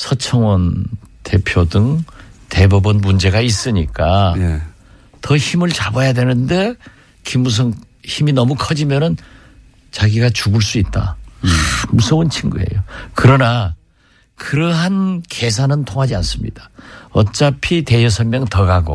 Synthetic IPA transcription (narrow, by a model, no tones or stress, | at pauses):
sʰʌt͡ɕʰʌŋwʌnte̞pʰjodɯŋte̞bubɯnmund͡ʑe̞ɡais͈ɯɲik͈a | tʌçimɯɭt͡ɕabʌjadwe̞nɯnde̞ | kimus̬ʰʌŋ | çiminʌmukʰʌd͡ʑimjʌnɯn | t͡ɕaɡiɡat͡ɕuɡuɭs͈uit̚t͈a̰ | musʰount͡ɕʰiŋɡue̞̰jokɯɾʌna | kɯɾʌɦankʰe̞s̬ʰanɯntʰoŋɦad͡ʑians͈ɯmɲḭd̥ḁʌt͡ɕ͈apʰite̞jʌsʰʌnmjʌŋtʌɡaɡo̰